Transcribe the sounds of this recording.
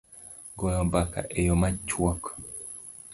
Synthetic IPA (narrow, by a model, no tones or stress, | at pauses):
ɡɔjɔbaka̰ʔejɔmat͡ʃwɔk